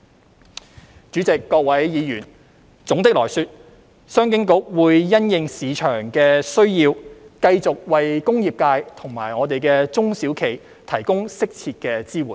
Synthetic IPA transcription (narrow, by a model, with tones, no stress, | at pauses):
t͡ʃy˨˥t͡sɪ˨kːɔː˧k̚wɐ˨˥jjiː˨˧jyː˨˩n | t͡sʊ˨˥ŋt̪ɪ˥k̚lɔː˨˩jsyː˧t̚ | sœː˥ŋk̬ɪ˥ŋkʊ˨˥k̚wuː˨˧jːɐ˥njɪ˨ŋsiː˨˧t͡ʃʰœː˨˩ŋkɛː˧sɵ˥ɥjiː˧wkɐ˧jt͡sʊ˨k̚wɐ˨jkʊ˥ŋjiː˨p̚kaː˧jt̪ʰʊ˨˩ŋma̰ː˨˩jŋɔː˨˧t̪e˨jkɛː˧t͡sʊ˥ŋsiː˨˥wkʰe˨˩j | t̪ʰɐ˨˩jkʊ˥ŋsɪ˥k̚t͡sʰi˧t̚kɛː˧t͡siː˥wuː˨˩n